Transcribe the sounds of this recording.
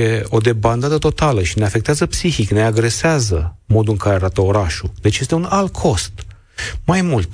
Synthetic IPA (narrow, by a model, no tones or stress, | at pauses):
je̞o̞d̪e̞band̪ad̪ət̪o̞t̪aləʃine̞afe̞kt̪eazəpsiçikne̞aɡɾe̞seazə | mo̞d̪ulɨŋkaɾeaɾat̪əo̞ɾaʃud̪e̞t͡ʃje̞st̪eunalt̪̚kʰo̞st̪ | majmult̪